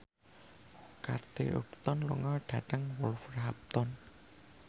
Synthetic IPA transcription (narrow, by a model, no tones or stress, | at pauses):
kart̪ḛʔṵpt̪ɔnluŋɔɖ̥a̤ɖəŋwɔlfərɦap̚t̪ɔn